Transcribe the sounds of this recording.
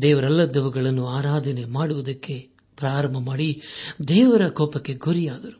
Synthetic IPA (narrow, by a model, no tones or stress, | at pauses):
d̪ɛːʋɐɾɛlːɐd̪ɐʋɐɡɐɭɐnːuaːɾaːd̪ʱɐne̞maːɽuʋɐd̪ɐkːe̞ | pɾaːɾɐmbʱɐmaːɽid̪ɛːʋɐɾɐkɔːpɐkːe̞ɡuɾijaːd̪ɐɾu